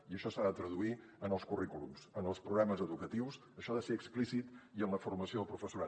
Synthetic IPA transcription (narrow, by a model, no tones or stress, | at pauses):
iəʃɔsaðət̪ɾəðui | ənəlˠskurikulṵmsənəlˠspɾuɣaməzəðukət̪iws | əʃɔðəseɾəksplisit̪iənləfurməsioðəlˠpɾufəsuɾa